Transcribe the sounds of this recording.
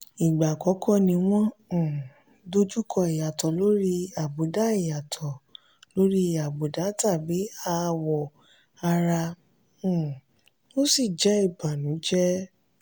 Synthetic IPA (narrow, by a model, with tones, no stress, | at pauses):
i˨ɡ͡ba˨kɔ˨˦kʰɔ˦nĩ˧w̃ɔ̃˦˨ | do˦d͡ʒu˦kʰɔ˧i˨ja˨tɔ˨lo˦ɾi˦a˨bo˨˦da˦i˦˨ja˨tʰɔ˨ | lo˨˦ɾi˦˨ja˨bo˨da˨˦ta˦˨bi˨˦a˧wɔ˨ | a˧ɾa˧˨ | no˦si˦˨d͡ʒɛ˨˦i˦˨ba˨nũ˨˦d͡ʒɛ˦